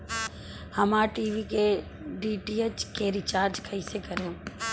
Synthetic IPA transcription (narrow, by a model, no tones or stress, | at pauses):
həmaʈiːʋike | ɖiːʈiːet͡ʃkeɾɪt͡ʃaːɾd͡ʒkʰəɪsekəɾjõː